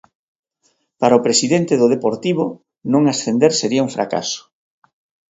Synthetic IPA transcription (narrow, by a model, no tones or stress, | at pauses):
paɾaʊpɾesiðent̪ɪðʊð̞epoɾt̪iβʊ | nõŋasθend̪eɾseɾiauŋfɾʔa̰ka̰sʊ̥